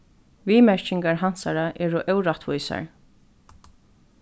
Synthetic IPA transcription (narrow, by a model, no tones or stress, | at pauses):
viːmɛɹt͡ʃɪŋkaɹɦansaɾaʔɛːɾʊʔœwɾat̪vujsa̰ɹ